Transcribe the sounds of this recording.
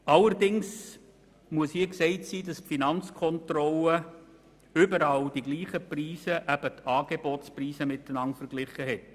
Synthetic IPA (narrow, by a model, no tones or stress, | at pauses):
ɑləɾdɪŋs | muəsiːksɛɪtsiːdɑsfinɑnt͡skʰɔntrɔlə | ʏbəɾɑld̥iɡliːχəpriːsəʔæb̥ətʰɑːɡ̥ebɔtspriːsəmɪtːənɑntfəɾɡ̥lɪχəɦɛt̚